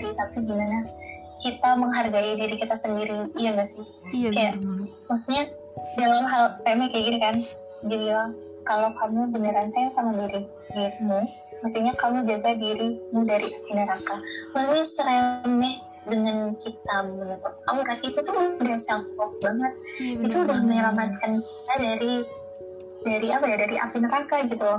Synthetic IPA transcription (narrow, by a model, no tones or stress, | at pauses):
it̪apiɡimanah | kit̪aməŋɦarɡaidiɾikit̪asəndiɾijaŋɡasɪh | kajaʔ | masiɲa | dalamɦalkaamɛkajaɡiɾikan | d͡ʒadila | kalokamubənəɾansajaŋsamadiɾi | diɾimu | məs̬t̪iɲakamud͡ʒaɡadiɾimudaɾiʔafinəɾakawalɲasəɾemɛh | dəŋankit̪amənət̪ʊp̚kamuɾat̪iːt̪ut̪udasafɔk̚baŋət̪̚it̪uːdahməŋalamat̪̚kankit̪adaɾi | daɾiapajadaɾiʔa̰finəɾakaɡit̪u